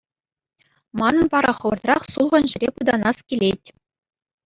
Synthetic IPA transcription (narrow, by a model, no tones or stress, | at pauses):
mɑnɤ̆npɑɾɑχɤ̆ʋɤ̆rt̪rɑχsulˠʁɤ̆nʑɘ̆ɾʲepɯd̪ɑnɑskʲilʲetʲ